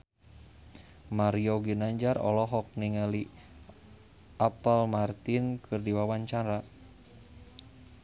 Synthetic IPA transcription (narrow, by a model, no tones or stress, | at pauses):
maɾioɡinaɲd͡ʒarɔ̰lɔɦɔk̚niŋəli | apalmart̪inkʰɨrdiwawaɲt͡ʃaɾa